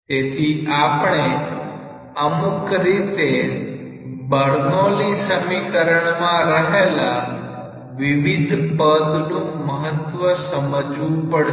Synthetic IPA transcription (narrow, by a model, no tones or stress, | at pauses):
t̪et̪ʰiapɳ̃e | əmukɾit̪e | bəɾnolisəmikəɾəɳmãɾəɦela | ʋiʋid̪ʱpəd̪nũməɦət̪ʋəsəməd͡ʒʋũpəɽ